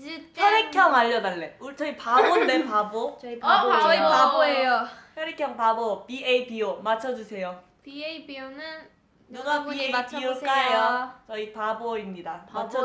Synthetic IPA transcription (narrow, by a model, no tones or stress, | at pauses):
jʌɾekʰjʌŋaʎːʌdaɭːe̞uɭt͡ɕʰʌipabondepaboi | aboejoçjʌɾekʰjʌŋpabopieipiomat͡ɕʰʌd͡ʑusʰe̞jo | pieibionɯn | nɯɡapiet͡ɕiok͈aejot͡ɕʌipaboimɲidamat͡ɕʰʌ